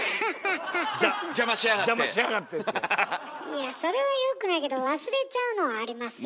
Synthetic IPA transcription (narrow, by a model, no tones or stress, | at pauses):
d͡ʒamaɕiaɣad͡ʒamaɕiaɣat̪ːet̪ː | iaso̞ɾe̞βajokɯ̟naik̬e̞d̪o̞βasɨɾe̞t͡ɕaɯ̟no̞βaːɾʲimasɨ